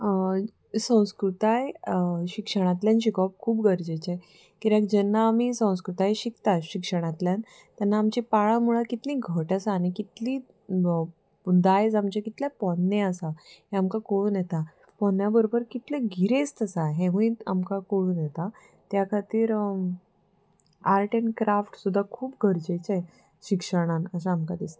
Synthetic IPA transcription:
sə̃w̃skɾut̪ajɕikʂəɽ̃at̪ljãnɕikɔp̚kʰuːpɡəɾd͡ʑet͡ɕe | kiɾãkd͡ʑɛnːaːmiːsə̃w̃skɾut̪ajɕikt̪aɕikʂəɽ̃at̪ljan | t̪janːaːmt͡ɕipaɭamuɭakit̪lĩːɡʱəʈasaːñikit̪lĩː | d̪ajd͡zamt͡ɕekit̪lapɔnːẽəsahɛ̃amkakoɭuːnjɛt̪a | pɔnjabəɾobəɾkit̪leɡʱiɾest̪əsaɦɛ̃ʋəia̰mkakoɭuːnjɛt̪a | t̪jakʰat̪iːɾ | aɾʈeɳkɾafʈsud̪ʱːakʰuːp̚ɡʱəɾd͡ʑet͡se | ɕikʂəɽ̃anəsãːmkad̪ist̪e

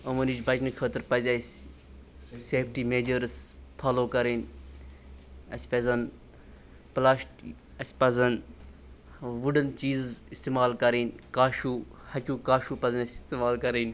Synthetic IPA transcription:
ɐmɐniːd͡ʒbɐt͡ʃnikʰəːt̪əɾpɐzʲɐsʲ | seːpʰʈiːmeːd͡ʒəɾspʰaːloːkɐɾenʲ | ɐsʲpɐzɐn | plaːʃʈ | ɐsʲpɐzɐn | ʋuɖɐnt͡ʃiːzzist̪emaːlkɐɾiːnʲkaːʃuː | hɐt͡ʃuːkaːʃuːpɐzɐnɐsʲist̪eːmaːlkɐɾinʲ

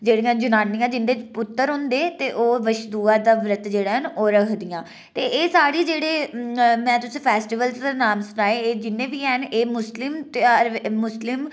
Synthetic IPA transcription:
d͡ʒeːɽijãːd͡ʒənaːnɪjãːd͡ʒɪnd̪eːpʊt̪ːəɾɦʊ̃nd̪eːt̪eːʔoːʋəʃd̪uːaːd̪aːʋɾət̪d͡ʒeːɽaːɦənoːɾəkʰd̪ɪjãː | t̪eːʔeːsaːɽiːd͡ʒeːɽeːmɛ̃ːt̪ʊsĩːpʰɛːsʈiːʋəlzd̪aːnaːmsʊnaːeːeːd͡ʒɪnːẽːʋiːɛɦəneːmʊslɪmt̪ɾːʊslɪm

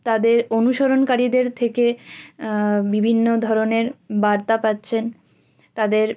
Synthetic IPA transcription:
t̪ad̪eɾonuʃoɾonkaɾid̪eɾt̪ʰeke | bibʱinːod̪ʱɔɾoneɾbaɾt̪apatːɕʰen | t̪ad̪eɾ

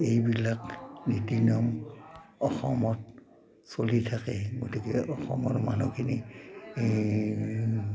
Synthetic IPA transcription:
ejbilaknitiniɔm | ɔxɔmɔt | solitʰakɛɡotikɛʔɔxɔmɔɹmanukʰini

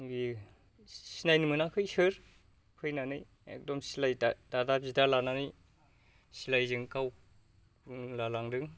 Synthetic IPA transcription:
ɡi | sinajnɯmɯnakʰɯjsɯɾ | kʰɯjnanɯj | ḛk̚dɔmsilajdadadap̚zidalananɯj | silajzɯŋkaw | punlalaŋdɯŋ

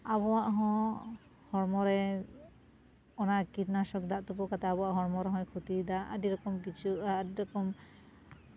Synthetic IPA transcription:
abɔwaʔɦɔ̃ | hɔɽmɔɾɛ | ɔnakiʈnasɔk̚d̪aʔt̪upɔkat̪aːbɔwaʔɦɔɽmɔɾɛɦɔ̃jkʰut̪id̪aʔa̰ɖiɾɔkɔmkit͡ʃʰuaɖiɾɔkɔm

